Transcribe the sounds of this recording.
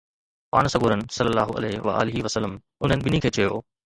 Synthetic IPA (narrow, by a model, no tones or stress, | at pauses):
pa̰ːɽ̃sɐɡuːɾənɪ̆sɐlːəlːaːɦʊʔɐ̰leʋɐ̰ʔa̰ːlɪɦiʋɐsəlːəm | ʊn̤ənɪ̆bɪnikʰeːt͡ɕɐjoː